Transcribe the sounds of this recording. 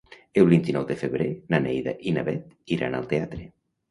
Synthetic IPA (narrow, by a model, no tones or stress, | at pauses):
elβint̪inɔwðefeβɾenanejða̰ʔinaβɛt̪ | iɾa̰na̰lˠt̪eat̪ɾe